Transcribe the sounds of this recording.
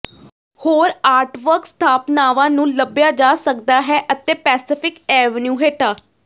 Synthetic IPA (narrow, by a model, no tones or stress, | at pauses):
hoːɾaːɾʈʋəɾkst̪ʰaːpnaːʋãːnũːləbjaːd͡ʒaːsəkd̪aːɦɛːʔət̪eːpɛːsɪpʰɪkɛːʋənjuːɦeːʈaː